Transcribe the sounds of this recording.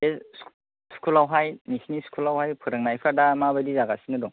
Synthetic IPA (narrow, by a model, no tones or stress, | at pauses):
e̥ | skʰulawɦajmisiniskʰulawɦajpʰɯɾɯŋnajpʰadamabadizaɡasinɯdɔŋ